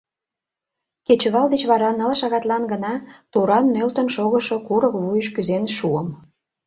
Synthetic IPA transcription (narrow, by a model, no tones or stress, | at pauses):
ket͡ɕəɣɑld̪et͡ɕβɑɾɑnə̆lʃɑɣɑt̪lɑnɡənɑt̪uɾɑnmølt̪ə̆nʃoɣəʃokuɾəkβujəʃkyzenʃuəm